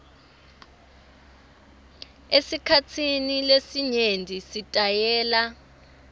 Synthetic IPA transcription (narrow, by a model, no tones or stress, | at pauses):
esikʰat͡sʰinilesiɲendʱisitʼajɛːla